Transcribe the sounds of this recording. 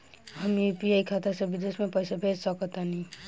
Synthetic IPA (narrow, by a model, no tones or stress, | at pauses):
ɦəmjepiaikʰat̪asebid̪esmepəjsabʱed͡ʒsəkət̪ani